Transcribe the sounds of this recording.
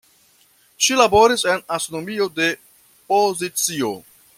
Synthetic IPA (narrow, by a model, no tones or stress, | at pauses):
ʃilabo̞ɾise̞nasonomio̞de̞ | po̞zit͡sio̞̰